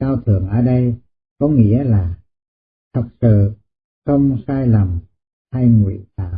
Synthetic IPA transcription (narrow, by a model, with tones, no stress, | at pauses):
kaː˧wt̪ʰɨ˨˩əŋʔəː˨˩ɗə˧j | kɔ˨˦ŋḭ˧˥əlaː˨˩ | t̪ʰə˨˩k̚sɨ̰˧˨ | xə˧wŋ͡msaː˧jlə˨˩m | ha˧jŋwḭ˧˨t̪aː˧˩˨